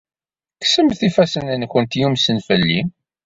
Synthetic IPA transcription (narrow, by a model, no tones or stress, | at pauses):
ksəmθifæsənənçənt̪jumsənfəlːim